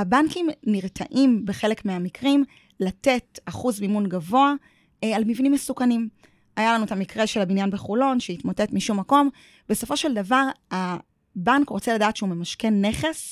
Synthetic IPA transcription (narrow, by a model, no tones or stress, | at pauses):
abankimniʁtʰa̰ʔimbeχe̞le̞kmeamikʁim | late̞taχuzmimunɡavo̞a | almivnimːesukanim | ajalanuet̪amikʁe̞ʃelabinjanbeχulo̞nʃeitmote̞tmiʃumːako̞m | be̞so̞fo̞ʃeldavaʁa | bankʁo̞t͡seladaːt̪ʃeume̞maʃke̞nːe̞χe̞s